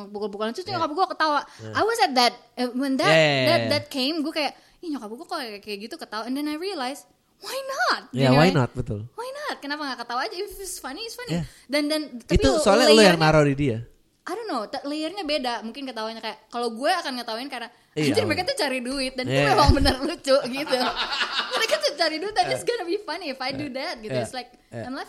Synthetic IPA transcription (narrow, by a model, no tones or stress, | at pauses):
pukʊlpukulant̪ʊsɲɔkapɡuakət̪awaajwɔsɛt̪̚d̪ɛt̪̚wɛnd̪adɛt̪̚dɛt̪̚kʰeɪmɡuakajaʔ | iɲɔkapɡuakakajaʔɡit̪ukət̪auɛndɛnajriəlajs | wajnɔt̪̚jawajnɔt̪̚bət̪ʊ̰lwajnɔt̪̚kənapaŋɡaʔkət̪auad͡ʒaffɪsfaniɪsfani | dandant̪aipit̪usoalalujaŋnaɾawdidia̰ | ʔajdonːowt̪aleərɲabedamuŋkɪnkət̪aɦuɪɲakajaʔkaloɡuɛakanŋət̪aɦuɪnkara | at̪ɪrməɾekat̪ut͡ʃaɾiduɪt̪̚danumemaŋbənərlut͡ʃoʔɡit̪uməɾekat̪ut͡ʃaɾiduɪt̪̚ad͡ʒɪsɡɔnəbifaniɪfajdudæt̪̚ɡit̪uɪtslajk̚ | ãjmlaf